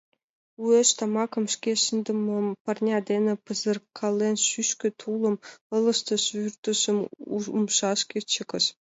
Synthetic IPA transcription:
uĕʃt̪ɑmɑkɤ̆mʃkʲeʃənd̪ə̆mŏmpɑrnʲɑd̪ʲenɘ̆pɤ̆zɤ̆rkʰːɑlˠːenʃyʃkʲɘ̆t̪ʰulˠɤ̆mɤ̆lˠɤ̆ʃt̪ɤ̆ʃyrt̪ə̆ʃə̆muumʃɑʃkʲet͡ɕə̆kə̆ʃ

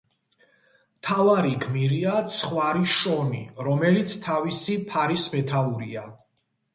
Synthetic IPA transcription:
mt̪ʰavaɾiɡmiɾiat̪sʰχwaɾiʃɔnḭɾɔmɛlit̪sʰt̪ʰavisipʰaɾismɛt̪ʰauɾḭa

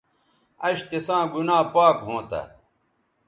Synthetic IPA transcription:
ɐɕt̪esãːɡunaːpaːkɦõːt̪ɐ̰

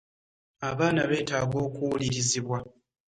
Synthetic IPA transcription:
aβaːnaβe̞ːtaːɡo̞ːkuwuliɾiziβwa

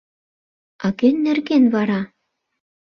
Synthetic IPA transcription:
ɑɣenːĕrɣenvɑɾɑ

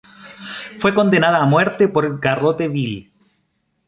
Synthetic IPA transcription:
fweko̞nd̪enaðaːmweɾt̪epoɾɡarot̪eβil

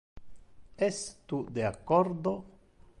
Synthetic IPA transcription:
est̪ud̪eakoɾd̪o

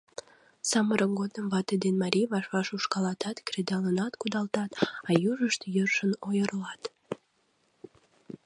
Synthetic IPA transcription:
sɑməɾəmɡod̪əmvɑt̪ed̪enmɑɾʲijβɑʃβɑʃuʃkɑlɑt̪ɑt̪kred̪ɑlənɑt̪kud̪ɑlt̪ɑt̪ɑjuʒəʃt̪jørʃənojərlɑt̪

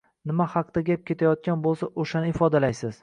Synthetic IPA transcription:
nɪmahɑqd̪̥aɡʲap̚kʲe̞t̪ʰajɒt̪̚kʲanbolˠsaʔoʃanɪɪfɒd̪alajsɪz̥

